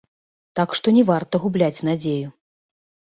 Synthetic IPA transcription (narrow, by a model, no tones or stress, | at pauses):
t̪akʂt̪ɔnʲɛvart̪ɐɣublʲat͡sʲnad͡zʲeju